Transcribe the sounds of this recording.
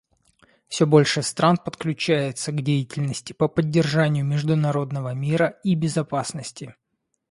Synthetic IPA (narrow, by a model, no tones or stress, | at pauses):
fsʲɵbo̞lʲʂɨst̪ɾanpət̪klʲʉt͡ɕæjɪt̪səɡdʲejɪtʲɪlʲnəsʲtʲɪ̥pəpədʲːɪrʐanʲɪjʊmʲɪʐd̪ʊnɐɾo̞d̪nəvəmʲiɾəibʲɪzɐpasnəsʲtʲɪ